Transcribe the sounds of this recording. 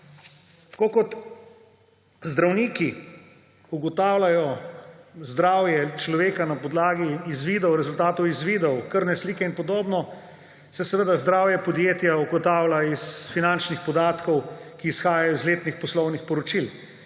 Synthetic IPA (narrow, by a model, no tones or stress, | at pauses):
t̪ḁkoːkɔt̪ | zd̪ɾawniːki | uɡɔt̪aːwlajɔ | zd̪ɾaːwjɛt͡ʃlɔʋeːkanapɔd̪laːɡiːzʋid̪ɔwɾɛzult̪aːt̪ɔwizʋiːd̪ɔwkəɾnɛsliːkɛinpɔd̪oːbnɔ | sɛsɛʋəd̪azd̪ɾaːwjɛpɔd̪jeːt̪jauɡɔt̪aːwlaisfinant͡ʃnixpɔd̪aːt̪kɔwkiːsxaːjajɔizleːt̪nixpɔslɔwnixpɔɾɔt͡ʃil